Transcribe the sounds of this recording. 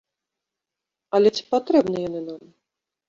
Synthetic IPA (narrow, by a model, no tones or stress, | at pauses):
ɐlʲɛt͡sʲi̥pat̪ɾɛbnɨjɔnɨnam